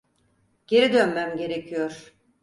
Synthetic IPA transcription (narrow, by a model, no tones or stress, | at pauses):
ɟ̥e̞ɾid̪ønmæmɟe̞ɾecʰijoɾ̥